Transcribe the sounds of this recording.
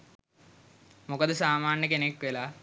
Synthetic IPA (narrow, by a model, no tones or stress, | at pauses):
mukɐd̪ɨsaːmaːnːɐkeneːkːela